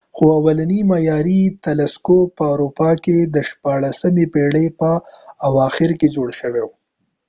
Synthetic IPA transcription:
xoawalanimajɑɾit̪alaskopːəawɾupɑked̪əʃpɑɽasəmepeɽepəawɑxɪɾked͡ʒoɽʃəwew

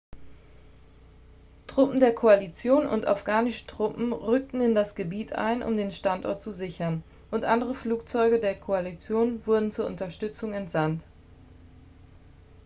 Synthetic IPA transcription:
tʁ̥ʊpm̩deːɐkʰoalit͡sjoːnʊ̰nta̰fɡ̥aːnɪʃə̥tʁ̥ʊpm̩ʁʏk̚tn̩ɪndasɡ̥əbiːtʔa̰ɪnʔʊ̰mdeːnʃtantɔ̰ɐtt͡suzɪçɐn | ʔʊntʔandəʁəfluːk̚t͡sɔʏɡədeːɐkʰoalit͡sjoːnvʊɐdn̩t͡suːɐʔʊntɐʃtʏt͡sʊŋɛntz̥ant

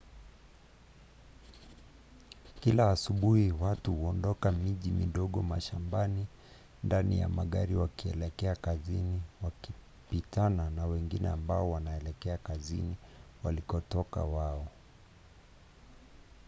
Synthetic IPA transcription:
kilaːsuɓuhiwatuhuɔndɔkamiʄimḭɗɔɠɔmaʃambani | ndanija̰maɠaɾiwakiɛlɛkɛakaziniwaki | pitananawɛŋɡinɛ̰ambaɔwanaɛlɛkɛakazḭniwalikɔtɔka̰waɔ

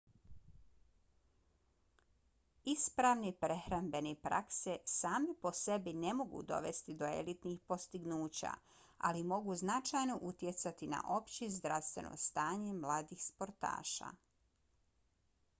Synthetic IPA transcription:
ispɾaʋnipɾe̞xɾambe̞nipɾʔa̰ksesaːmipo̞se̞bine̞mo̞ɡṵd̪o̞̰ʋe̞st̪id̪o̞ḛlit̪nixpo̞st̪iɡnuːt͡ɕa̰ | a̰limo̞ɡuznat͡ʃajno̞ʔut̪je̞t̪sat̪ina̰ʔo̞pt͡ɕezd̪ɾaʋst̪ʋe̞̰no̰st̪aːɲe̞mlaːd̪ixspo̞ɾt̪a̰ːʃa̰

